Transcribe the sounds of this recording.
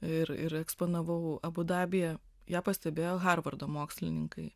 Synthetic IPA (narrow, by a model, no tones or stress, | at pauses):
ɪɾɪ̰ɾɛkspoːnɐʋɐʊɐbʊd̪ɑːbʲɪjɛ | jæːpɐsʲt̪ʲɛbʲeːjoːɣɑːrʋɐrd̪oːmoːksʲlʲɪnʲɪŋkɐɪ